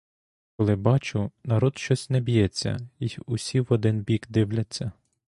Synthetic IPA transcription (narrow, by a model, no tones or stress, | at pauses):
kɔlˠɪbɑt͡ʃʊnɐɾɔd̪ʃt͡ʃɔsʲnɛbʲijɛt͡sʲːɐ̰iʊsʲiwɔd̪ɪnbʲikd̪ɪwlʲɐt͡sʲːɐ